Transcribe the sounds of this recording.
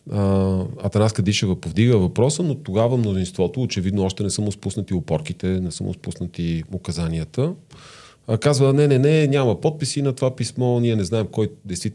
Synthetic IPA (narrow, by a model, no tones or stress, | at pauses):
ɐ̰t̪ɐnaskəd̪iʃɛvəpovd̪iɡəvɐpɾɔsənot̪oɡavəmnozinst̪vɔt̪oːt͡ʃɛvid̪noɔʃt̪ɛnɛsəmʊspusnət̪iopɔɾkit̪ɛnɛsə̰mʊ̰spusnət̪iokɐzaniət̪ə | kazvənɛnɛnɛnʲamɐpɔt̪̚pisinɐt̪ovapismɔniɛnɛznaɛmkɔjd̪ɛjst̪vit̪